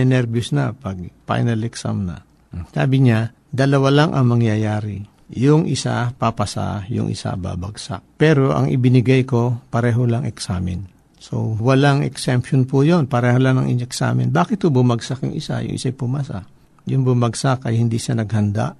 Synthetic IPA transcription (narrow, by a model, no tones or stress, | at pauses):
ɛnɛɾbjosnɐpɐɡ̚pa̰jnɐlɛksa̰mnɐ̰ | saːbɪɲa | d̪ɐlɐwalaŋʔɐ̰ŋmɐŋjajaːɾɪ | jʊŋʔɪsa̰papɐsa̰jʊ̰ŋʔɪ̰sa̰ba̰bɐɡsa̰k̚pɛːɾoʔɐ̰ŋʔɪ̰bɪnɪɡajko̞pɐɾɛːɦolaŋɛksaːmɪ̰n | so̰wɐlaŋɛ̰ksɛmponpʊjonpɐɾɛːholaŋnɐŋʔiɲoɛksa̰ːmɪ̰nbaːkɪt̪̚hobʊmɐɡsakjʊŋʔɪ̰sa̰jʊ̰ŋʔɪ̰sajpʊmasa̰ | jʊŋbʊmaɡsakɐjhɪnd̪iʃanɐɡ̚hɐnd̪a̰ʔ